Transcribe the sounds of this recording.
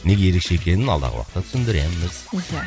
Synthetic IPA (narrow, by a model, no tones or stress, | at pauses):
ne̞ɡʲeje̞ɾe̞kʃeekʲe̞nɪnɑ̰lˠd̪ɑ̰ʁə̰wɑ̰qt̪ːɑt̪ʰʏ̥sɪnd̪ɪɾemːɪz